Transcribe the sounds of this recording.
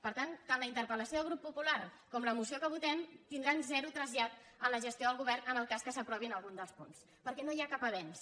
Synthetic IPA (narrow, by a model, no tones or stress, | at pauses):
pəɾt̪ant̪anləint̪əɾpələsioðəlˠɣɾupːupularkɔmləmusiokəβut̪ɛmt̪ind̪ɾanzɛɾut̪ɾəzat̪̚ | ənləʒəst̪ioðəlɣuβɛrnənəlˠkaskəsəpɾɔβinəlˠɣund̪əlˠspuns | pəɾkɛnojakapəβɛns